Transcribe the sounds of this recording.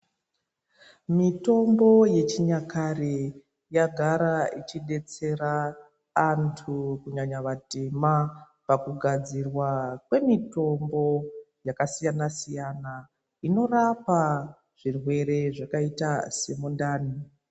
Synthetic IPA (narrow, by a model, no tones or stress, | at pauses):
mito̞mbo̞je̞t͡ʃiɲakare | jaɡʱaɾait͡ʃiɗe̞t͡se̞ɾaː | ntʰukuɲaɲaʋatema | pakuɡʱad͡zirwakwe̞mito̞mbo̞ | jakasijanasijana | ino̞rapa | ʐ̥irwe̞ɾe̞ʐakaitase̞mundaːni